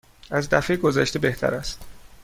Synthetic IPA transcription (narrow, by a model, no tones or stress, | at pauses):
æzd̪æfejɡo̞zæʃt̪e̞be̞ht̪ʰæ̰ɾæst̪